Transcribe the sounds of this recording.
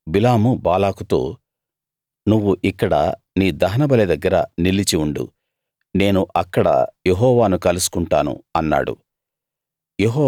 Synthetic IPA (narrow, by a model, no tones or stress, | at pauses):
bilaːmubaːlaːkut̪o̰ː | nuʋːuʔikːɐɽɐ̰ | niːd̪ɐɦɐnɐbɐled̪ɐɡːɐɾɐ̰nilit͡ʃiuɳɖṵ | ne̞ːnuʔɐkːɐɽɐ̰jeɦɔːʋaːnukɐlusu̥kuɳʈaːnṵɐnːa̰ːɽṵ | jeɦɔː